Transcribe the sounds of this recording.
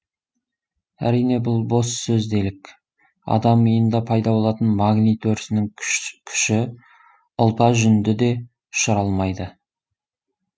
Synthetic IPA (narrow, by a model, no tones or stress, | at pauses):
æ̰ɾijne̞bʊlˠbo̞ssɵzd̪e̞lɪkʲ | ɑ̰d̪ɑməjənd̪ɑpʰɑjd̪ɑbo̞lˠɑt̪ənmɑɡnit̪ʰɵɾɪsɪnɪŋkʲʰʏ̥ʃɪ | əlˠpɑʒʏnd̪ɪd̪e̞ | ʊ̥ʃəɾɑlˠmɑjd̪ə